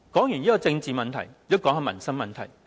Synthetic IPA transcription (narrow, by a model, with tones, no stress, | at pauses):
kɔː˨˥ŋjyː˨˩njiː˥kɔ˧t͡sɪ˧ŋt͡siː˨mɐ˨nt̪ʰɐ˨˩jkɔː˨˥ŋaː˧mɐ̰˨˩nsɐ˥ŋmɐ˨nt̪ʰɐ˨˩j